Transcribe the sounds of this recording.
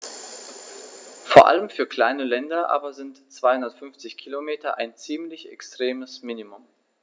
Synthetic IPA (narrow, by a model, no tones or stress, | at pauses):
foːɐʔa̰ləmfyːɐkl̥aɪnəlɛndɐʔa̰ːbɐzɪntt͡sv̥aɪhʊndɐtfʏnft͡sɪçkʰilomeːtɐʔa̰ɪnt͡siːmlɪçɛ̰kstʁ̥eːməsminimʊm